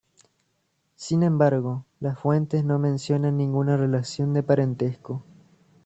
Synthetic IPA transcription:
sinẽmbaɾɣolasfwe̞nt̪e̞sno̞mẽ̞nsjo̞nãnːĩŋɡunarelasjo̞nd̪e̞paɾent̪esko

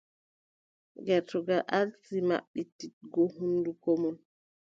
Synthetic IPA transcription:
ɡɛtɔɡaʔalsima̰ɓːitːit̚ɡɔhundukɔmɔn

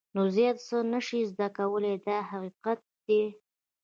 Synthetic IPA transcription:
nozjɑt̪sənəʃizd̪akawəled̪ɑhaqiqat̪̚d̪e

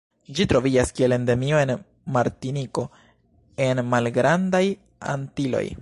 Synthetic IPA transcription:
d͡ʒitɾo̞vid͡ʒaskie̞le̞ndemio̞e̞n | maɾtiniko̞ | e̞nmalɡɾandaj | a̰ntilo̞̰j

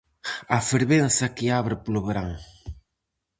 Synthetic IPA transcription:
afeɾβensakiaβɾɪpluβɾaŋ

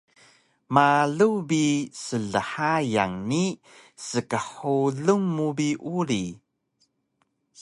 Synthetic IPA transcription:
maɮubisəɮəħajaŋni | səkəħuɮumːubiʔuɾi

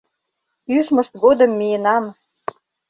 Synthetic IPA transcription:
yʃmə̆ʃt̪ɡod̪ə̆mːijenɑm

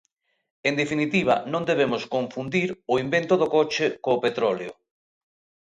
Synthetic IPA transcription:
end̪efinit̪iβ̞a̰nõnd̪eβ̞emoskoɱfund̪iɾoimbent̪oðokot͡ʃekoːpet̪ɾɔleo̰

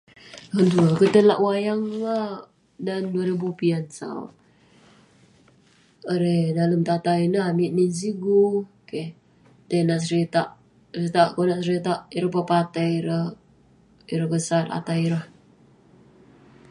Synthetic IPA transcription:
ənt̪uakət̪əla̰ʔwajaŋla | danduaɾibupiansa̰ | əɾedaləmt̪at̪ainəamiʔ̚nins̬iɡu | ke | t̪enaʔsəɾit̪aʔ | ɾit̪aʔkonaʔsəɾit̪aʔiɾəpapat̪aiɾəh | iɾəhɡəsata̰t̪aiɾəh

